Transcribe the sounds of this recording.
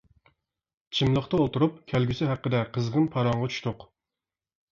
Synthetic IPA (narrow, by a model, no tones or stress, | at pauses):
t͡ʃʰimlˠəχt̪ɑolˠt̪uɾupkʲʰælɡʲysɪɦæqːəd̪ɛqʰəzʁənpʰɑɾɑŋʁɑt͡ʃʰy̥ʃt̪ʊq